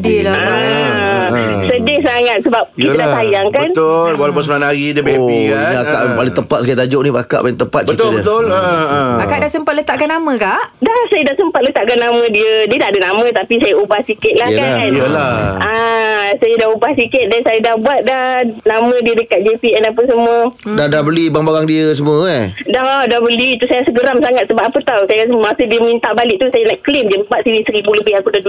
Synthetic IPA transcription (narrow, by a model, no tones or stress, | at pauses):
diəda | sədɪŋsaŋat̪̚səbap̚iiadasajaŋkaənt̪olwalawp̬ʊnsəmlanaɡidəbaaka̰ʔŋpalɪŋt̪əpat̪̚skajt̪ad͡ʒoʔnĩbaka̰ʔpalɪŋt̪əpat̪̚t͡ʃbəit̪lbt̪ʊlbakaʔdaʔsəmpat̪̚lət̪aʔkanamə̃kaʔdahsajədasəmpat̪̚lət̪aʔkanamə̃diədiədadənamə̃t̪apisajaubahsikɪt̪̚lahkanlaʔasajadahubahsikɪt̪̚dansajadahbuat̪̚dahnamə̃diədəkat̪̚d͡ʒepiʔɛnapəsəmuədadabəlibaŋbaɡaŋdiəs̬əmuədaɦadabəlit̪usajasəɡəɾamsaŋat̪̚səbap̚apət̪awsajəkat̪əmasədiəmint̪aʔbalɪʔ̚t̪usajanaʔklɪmdəbbat̪̚siɾisəɾibuləbɪhakudadu